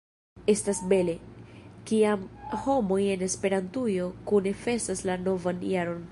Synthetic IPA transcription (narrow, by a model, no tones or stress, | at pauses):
e̞stasbe̞le̞kiamho̞mo̞je̞ne̞spe̞ɾantujo̞kune̞fe̞saslano̞vanjaɾo̞n